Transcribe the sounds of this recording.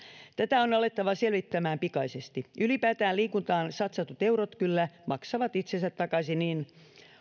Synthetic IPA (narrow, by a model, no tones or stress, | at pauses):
t̪æt̪æonɑlet̪ːɑʋɑselʋit̪ːæmæːmpikɑisest̪iʔylipæːt̪æːliːkunt̪ɑːnsɑt̪sɑt̪ut̪euɾot̪kylːæmɑksɑʋɑt̪it̪sensæt̪tːɑkɑsiniːn